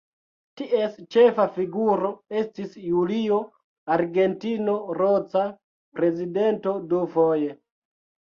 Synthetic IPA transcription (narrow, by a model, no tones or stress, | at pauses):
tiʔe̞st͡ʃe̞fafiɡuɾo̞e̞stisjulio̞ | aɾɡe̞ntino̞ɾot͡sa | pɾe̞zide̞nto̞dufo̞je̞